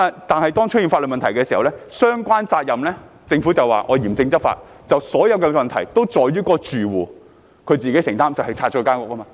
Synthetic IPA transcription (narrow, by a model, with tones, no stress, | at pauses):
t̪aː˨nhɐ˨jt̪ɔː˥ŋt͡ʃ̚ʰji˨nfa˧tlə˨mɐ˨nt̪ʰɐ˨˩jkɛː˧si˨hɐ˨wlɛː˥sœː˥ŋkʷwaː˥nt͡saː˧t̚jɐ˨mlɛː˥t͡sɪ˧ŋfu˨˥t͡sɐ˨wa̰ː˨˩ʔɔː˨˧jiː˨˩mt͡sɪ˧ŋt͡sɐ˥t̚fa̰ː˧t̚ | t͡sɐ˨wsɔː˨˥jɐ˨˧wkɛ˧mɐ˨nt̪ʰɐ˨˩jt̪o˥wt͡ʃɔː˨jɥyː˥kɔː˧t͡ʃyː˨wuː˨˩ | kʰɵ˨˧ɥt͡siː˨ke˨˥sɪ˨˩ŋt̪aː˥mt͡sɐ˨whɐ˨jt͡sʰaː˧˥t͡ʃɔ˥kːkaː˥nkɔ˨kːɐ˥maː˧